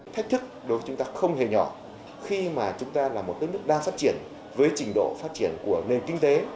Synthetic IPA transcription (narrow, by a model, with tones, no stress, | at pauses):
t̪ʰa˦˥k̟̚t̪ʰɨ˦˥k̚ɗo˨˦jvə˨˦t͡ɕʊ˨˦ŋ͡mt̪aː˧xə˧wŋ͡mhe˨˩ɲɔ˧˩ | xi˧maː˨˩t͡ɕʊ˨˦ŋ͡mt̪aː˧laː˨˩mo˨˩t̚kəː˨˦˥n˦˥ək̚ɗaː˧ŋfaː˦˥t̚t͡ɕi˧˩ən | vəː˨˦jt͡ɕï˧˩ŋ̟ɗo̰˧˨faː˦˥t̚t͡ɕi˧˩ənku˧˩əne˨˩nkï˧ŋ̟t̪e˨˦